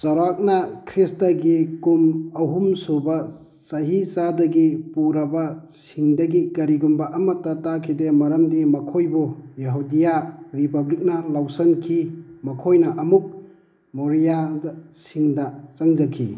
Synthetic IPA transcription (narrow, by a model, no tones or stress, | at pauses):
t͡ʃɐɾak̚nɐkʰɾistɐɡikumɐɦumsobɐ | sɐɦisadɐɡipuɾɐbɐsiŋdɐɡikɐɾiɡumbɐʔɐmɐtɐtakʰidemɐɾɐmdimɐkʰojbujɐɦudijaɾipɐblik̚nɐlawsɐnkʰimɐkʰojnɐʔɐmuk̚ | moɾijadsiŋdɐt͡ʃɐŋd͡ʒɐkʰḭ